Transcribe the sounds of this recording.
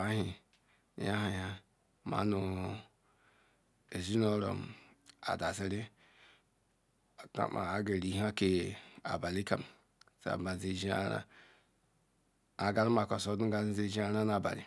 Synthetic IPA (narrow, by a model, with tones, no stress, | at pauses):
a˨˦ɦi˨˦ | ja˦ɦa˨ja˦ | ma̰˨˦nu˨ | e˨zi˦no˦ɾo̰˨m | a̰˨da˨zi˦ɾi˦˨ | ka̰˦ma̰˨a˨ɡe˨ɾi˨˦ɦa˦ke˨a̰˨ba˨li˦ka̰˨m | sa̰˨ba˨ze˨d͡ʒi˦a̰˦ɾa̰˦ | a˨ɡa˦lma˨kʷa˨so˨˦du˦a˦i˦ze˦˨d͡ʒi˦a˦ɾa˦na˨ba̰˨lḭ˨